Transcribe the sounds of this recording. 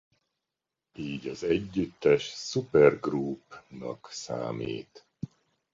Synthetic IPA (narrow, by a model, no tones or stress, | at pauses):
iːɟɒzɛɟːyt̪ːɛʃsupɛrɡruːpnɒ̰ksa̰ːmḭːt̪